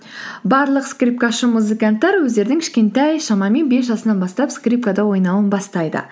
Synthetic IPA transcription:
bɑɾlˠəqskrʲip̚kaʃəmuzɨkant̪ːɑɾwɵzd̪e̞ɾd̪ɪŋkʲʰɪʃkʲe̞nt̪ɑjʃɑmɑme̞nbe̞s̬ʒɑsənɑnbɑst̪ɑpskrʲip̚kad̪ɑwo̞jnɑwənbɑst̪ɑjd̪ə̰

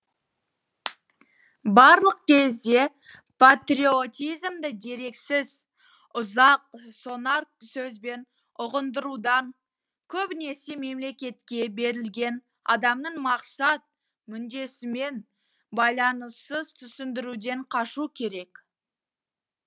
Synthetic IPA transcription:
bɑɾlˠəq̚kʲʰe̞zd̪e̞ | pʰat̪rʲio̞t̪ʲijzmd̪ɪd̪e̞ɾe̞ksɪz | ʊzɑq̚so̞nark̚sɵzbe̞n | ʊʁənd̪əɾud̪ɑŋ | kʲʰɵbne̞ɾse̞me̞mle̞kʲe̞t̪kʲe̞be̞ɾɪlɡʲe̞n | ɑ̰d̪ɑmnəɴmɑqsɑt̪̚ | mʏnd̪e̞sɪme̞n | bɑjlˠɑnəsːəzt̪ʰʏsɪnd̪ɪɾud̪e̞ɴqʰɑʃukʲʰe̞ɾe̞k

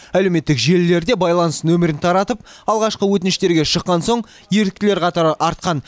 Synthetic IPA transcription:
æle̞wme̞t̪ːɪkʒe̞lːe̞ɾd̪e̞bɑjlˠɑnəsnɵmɪɾɪnt̪ʰɑɾɑt̪əp̚ɑlˠʁɑʃqəwɵt̪ɪnɪʃt̪e̞ɾɡʲe̞ʃəqːɑnso̞ɴ | je̞ɾɪ̥k̚t̪ɪle̞ɾqʰɑt̪ɑɾəɑɾt̪̚qɑn

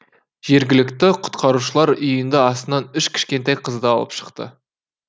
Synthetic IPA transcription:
ʒ̥e̞ɾɡʲɪlɪkt̪ɪqʰʊ̥t̪qʰɑɾuʃəlˠɑɾʏjɪnd̪ɪɑst̪ənɑnʏʃkʲʰɪ̥ʃkʲe̞nt̪ejqʰəzd̪ɑɑ̰lˠə̰pʃə̥qt̪ə̰

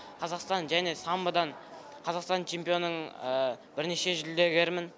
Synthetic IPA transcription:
qʰɑzɑqst̪ɑnʒæne̞sɑmbəd̪ɑɴ | qʰɑzɑqst̪ɑnt͡ʃʰe̞mpijo̞nːəɴəb̥ɪɾne̞ʃe̞ʒɪld̪e̞ɡʲe̞ɾɪmɪn

